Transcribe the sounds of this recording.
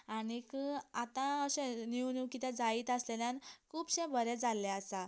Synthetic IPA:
aɽ̃ikəat̪ãəɕẽniunukit̪ad͡zaiːt̪əsleljãnkʰuːbɕɛ̃bəɾed͡zalːɛasa

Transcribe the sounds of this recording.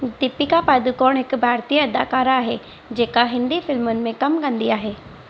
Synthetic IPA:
d̪ɪpːikapaːd̪ukoːɳ̃ɦɪkbʱaːɾt̪ijɐd̪aːkaːɾaːɦe | d͡ʒeːkaɦɪ̃nd̪ifɪlmʊnɪ̆mẽkɐmkɐ̃nd̪iaːɦeː

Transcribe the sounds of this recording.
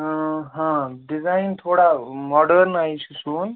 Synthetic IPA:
ɦãɖizaint̪ʰoːɽamɔɖəɾnaːit͡ʃʰusũːj

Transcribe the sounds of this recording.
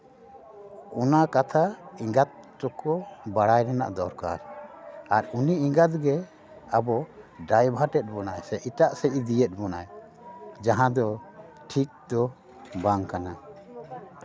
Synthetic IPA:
ɔnakat̪ʰaiŋɡat̪̚tɔkɔbaɽajɾɛna̰ʔd̪ɔɾka̰ɾaɾuniiŋɡat̪̚ɡɛ | abɔɖajbʱaʈɛt̪̚ˀbɔnajsɛʔiʈaʔsɛʔid̪ijɛt̪̚bɔnaj | d͡ʒaɦãd̪ɔ | ʈʰik̚d̪ɔ | baŋkana

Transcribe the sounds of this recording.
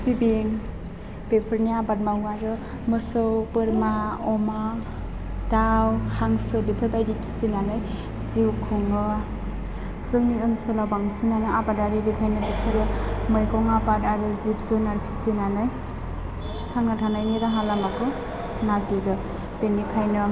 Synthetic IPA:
pʰibiŋ | pepʰɯɾniabat̚mawŋaɾɯ | mɯsɯwpɯɾmaɔma | d̥awhaŋsɯbipʰɯɾbajdipʰi̥sinanɯj | ziwkʰuŋɯ | zɯŋniɯnsɯlawbaŋsinanɯabadaɾiɾikʰajnɯbisɯɾɯmɯjkɔŋapadaɾɯzip̚zɯnaɾpʰisinanɯj | haŋnatʰanajniɾaɦalamakʰɯ | naɡidɯ | penːikʰajnɯ

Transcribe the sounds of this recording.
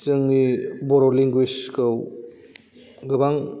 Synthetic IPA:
sɯŋnibɔɾoliŋɡwiskɯw | ɡɯbaŋ

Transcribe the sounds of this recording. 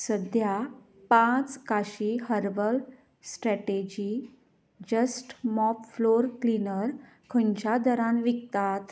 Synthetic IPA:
səd̪ja | pãt͡skaɕiɦəɾʋəl | sʈɾɛʈed͡ʑi | d͡ʑəsʈmɔpfloɾklinəɾ | kʰəɲt͡ɕad̪əɾãnʋikt̪at̪

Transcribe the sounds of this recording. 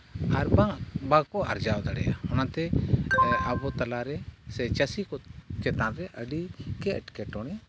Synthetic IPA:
aɾbaŋbakɔʔa̰ɾd͡ʒawd̪aɽɛja̰hɔnat̪ɛ | abɔt̪alaɾɛsɛt͡ʃəsikɔkɛt̪ãnɾɛʔəɖikɛəʈkɛʈɔɽ̃ɛ

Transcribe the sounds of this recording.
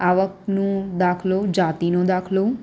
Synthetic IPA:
aʋəknõd̪akʰlod͡ʒat̪inõd̪akʰlo

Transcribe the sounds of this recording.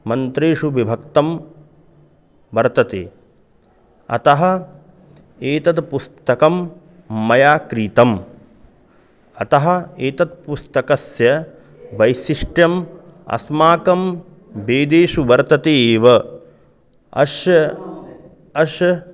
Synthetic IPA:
mɐnt̪ɾeːʂuʋibʱɐk̚t̪ɐm | ʋɐɾt̪ɐt̪ḛː | ɐ̰t̪ɐɦɐ̆ | eːt̪ɐt̪pust̪ɐkɐmː | ɐjaːkɾiːt̪ɐm | ɐt̪ɐɦɐ̆eːt̪ɐt̪̚pust̪ɐkɐsjɐ | ʋɐjsiʂʈjɐm | ɐ̰smaːkɐm | beːd̪eːʂuʋɐɾt̪ɐt̪eːʋɐ | ɐ̰ʃjɐ | ɐʃjɐ

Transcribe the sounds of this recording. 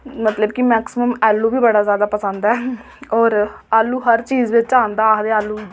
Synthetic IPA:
mət̪ləbkɪmɛːksɪməmɛːlːũːbiːbəɽaːzjaːd̪aːpəsə̃nd̪ɛː | ɔːɾaːlːuːɦəɾt͡ʃiːzʋɪt͡ʃãːnd̪aːkd̪eːaːlːuː

